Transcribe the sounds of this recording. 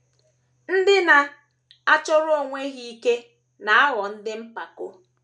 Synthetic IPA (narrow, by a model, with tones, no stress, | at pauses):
n̩˦dɪ˦na˨ | a˦t͡ʃɔ˦ɾo˦˨ŋʷe˦ɣi˦i˦ke˦ | na˨a˦ɣɔ˨n̩˦dɪ˦m̩˦pa˨kʊ˦